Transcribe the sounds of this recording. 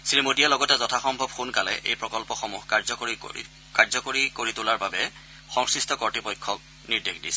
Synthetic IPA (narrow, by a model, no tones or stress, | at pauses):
sɹimodialɔɡɔtɛzɔtʰaxɔmbʱɔb̚xunkalɛ̰ʔḛjpɹɔkɔlpɔxɔmuɦazɔḭ | kaɹzɔkoɹikoɹitʊlaɹbabɛ | xɔŋsɹistɔkɔɹtipɔjkʰːɔk̚ | niɹdexdisɛ